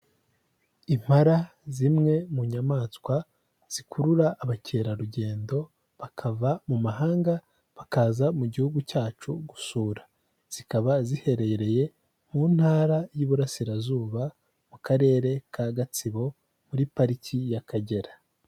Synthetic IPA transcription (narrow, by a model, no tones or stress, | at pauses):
im̥haɾa | zimŋe̞muɲamaːskwa | z̥ikʰuɾuɾaʔːβacʰeːɾaɾuɟe̞ːndo̞ | βakʰavamumaɦaːŋɡa | βakaːzamuɟihuɡucaːt͡ʃuɡusuːɾḁ | z̥ikaβazihe̞ɾe̞ɾe̞je̞ | muːn̥haːɾajuβuɾasiɾazuːβa | mukaɾe̞ːɾe̞kʰaɡat͡siβo̞ | muɾipaɾicijakʰaɟe̞ɾa